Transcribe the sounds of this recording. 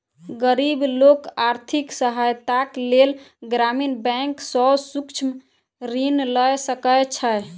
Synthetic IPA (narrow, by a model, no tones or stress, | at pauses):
ɡəɾiblokaɾt̪ʰiksəɦajt̪aklel | ɡɾaminbɛ̃ŋksɔsukt͡ʃʰm | ɾinləjsəkəjt͡ʃʰəj